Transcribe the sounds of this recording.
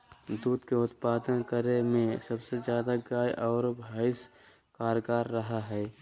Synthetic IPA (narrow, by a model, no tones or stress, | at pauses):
d̪uːd̪keʊt̪paːd̪ənkəɾemẽsəbsezjaːd̪aɡaːjʔɔːɾbʱaːɪs | kaːɾɡaːɾːɐɦaɦɛː